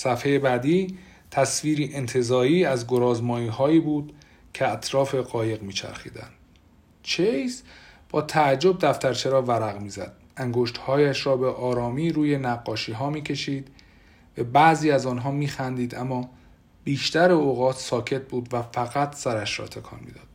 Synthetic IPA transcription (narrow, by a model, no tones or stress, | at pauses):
sæfhe̞jebæːd̪iː | t̪ʰæsviːɾiːʔent̪ʰe̞zɒːɾiːæzɡoɾɒːzmɒːjiːɦɒːjiːbuːd̪̥ | cʰeæt̪ʰɾɒːfe̞ɣɒːje̞ɣmiːt͡ʃʰæ̰ɾxḭːd̪æ̰nd̪̥ | t͡ʃʰejsb̥ɒːt̪ʰæːd͡ʒːo̞b̚d̪æft̪æɾt͡ʃʰe̞ɾɒːvæɾæɣmiːzæ̰d̪̥ | æŋɡoʃt̪hɒːjæʃɾɒːbeʔɒːɾɒːmiːɾuːje̞næɡːɒːʃiːɦɒːmiːcʰe̞ʃiːd̪̥ | b̥æbæʔziːæzɒːnɦɒːmiːxænd̪iːd̪æmːɒː | biːʃt̪æɾeoɣɒːt̪ʰsɒːcʰe̞t̪̚buːd̪væfæɣæt̪ʰsæɾæʃɾɒ̰ːt̪ʰe̞kʰɒ̰ːnmḭd̪ɒːd̪̥